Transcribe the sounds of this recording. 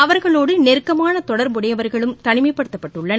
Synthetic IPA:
ɐʋɐɾɣɐɭoːɽɯnɛɾɯkːɐmaːnɐt̪ɔɽɐɾmʊɽɐjɐʋɐɾɣɐɭɯmt̪ɐɳɪmɐɪpːɐɽɯt̪ːɐpːɐʈːɯɭːɐn

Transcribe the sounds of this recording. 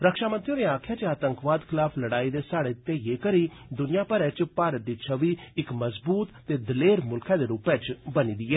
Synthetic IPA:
ɾəkʃaːmənt̪ɾiõːneːaːkʰjãːt͡ʃaːt̪əŋkʋaːd̪kʰɪlaːpʰləɽaːiːd̪eːsaːɽeːt̪eːjeːkəɾiː | d̪ʊnɪjãːpəɾɛːt͡ʃpaːɾət̪̚d̪iːt͡ʃʰəʋiːɪkməzbuːt̪t̪eːd̪ɪleːɾmʊlkʰɛ̃ːd̪eːɾuːpɛ̃ːt͡ʃbəniːd̪iːɛː

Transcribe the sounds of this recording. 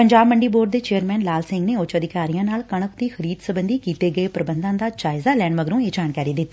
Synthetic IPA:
pəɲd͡ʒaːbməɳɖiːboːɾɖd̪eːt͡ʃeːəɾmɛːnlaːlsɪ̃ŋɡneːʊt͡ʃəd̪ɪkaːɾijãːnaːlkəɳ̃əkd̪iːxʰəɾiːd̪səbənd̪iːkiːt̪eːɡəeːpɾəbə̃nd̪ãːd̪aːd͡ʒaːɪzaːlɛːɳməɡɾũːeːd͡ʒaːnkaːɾiːd̪ɪt̪ː

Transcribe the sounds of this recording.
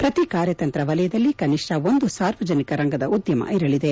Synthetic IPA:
pɾɐt̪ikaːɾjɐt̪ɐnt̪ɾɐʋɐlɐjɐd̪ɐlːikɐniʂʈɐo̞nd̪usaːɾʋɐd͡ʒɐnikɐɾɐŋɡɐd̪ɐud̪jɐmɐ̰iɾɐɭid̪e

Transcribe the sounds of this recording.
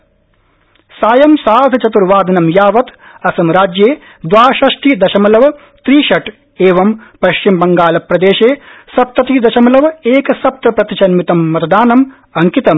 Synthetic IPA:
saːjɐmsaːd̪ʱɐt͡ʃɐt̪uɾʋaːd̪ʱɐnɐmjaːʋɐt̪ | ɐsɐmɾaːd͡ʒjeː | d̪ʋaːʃɐʂʈid̪ɐʃɐmɐlɐʋɐ | t̪ɾiːʃɐʈ | eːʋɐmpɐʃt͡ʃimbɐŋɡaːlɐpɾɐd̪eːʃeːsɐp̚t̪ɐt̪id̪ɐʃɐmɐlɐʋeːkɐsɐp̚t̪ɐpɾɐt̪it͡ʃɐnmit̪ɐmːɐt̪ɐd̪aːnɐm | ɐŋkit̪ɐm

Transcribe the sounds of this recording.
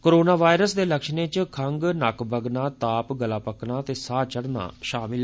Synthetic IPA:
koːɾoːnaːʋaːjɾəsd̪eːləkʃnẽːt͡ʃkʰəŋɡnəkbəɡnãːt̪aːpɡəlaːpəknaːt̪eːsaːt͡ʃəɽna̰ːʃaːmɪl

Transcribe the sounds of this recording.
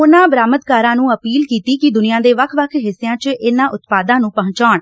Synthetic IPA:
ʊnãːbɾaːmət̪kaːɾãːnũːəpiːlkiːt̪iːkɪd̪ʊnijãːd̪eːʋəkʰʋəkʰɦɪsːejãːt͡ʃʔɪnãːʔʊt̪paːd̪ãːnũːpəɦʊ̃ɲt͡ʃaːɳ

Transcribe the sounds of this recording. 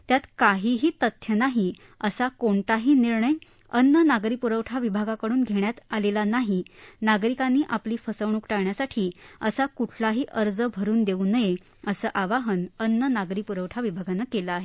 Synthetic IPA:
t̪jat̪kaɦiːɦiːt̪ət̪ʰjənaɦi | əsakoɳʈ̪aɦiːniɾɳəj | ənːənaɡɾipuɾəʋʈʰaʋibʱaɡakəɽuːnɡʱeɳjat̪alelanaɦinaɡɾikanːiːʔapliːfəsəʋɳ̃uːkʈaɡɳjasaʈʰiːəsakuʈʰlaɦiːʔəɾd͡zəbʱəɾuːnd̪euːnəje | əsəːʔaʋaɦənənːənaɡɾiːpuɾəʋʈʰaʋibʱaɡanəːkelaaːɦe

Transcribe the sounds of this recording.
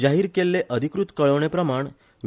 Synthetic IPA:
d͡ʑaɦiːɾkelːeʔəd̪ʱikɾut̪kəɭəʋɳ̃epɾəmaɳ | ʋ

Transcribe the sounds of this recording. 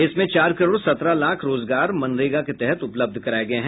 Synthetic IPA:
ɪsmẽt͡ʃaːɾkɐɾoːɽsɐt̪ɾalaːkʰɾoːzɡaːɾmɐ̃nɾeːɡaket̪ɛɦɛt̪ʊpləb̚d̪ʱkɐɾaːeɡɐeɦɛ̃

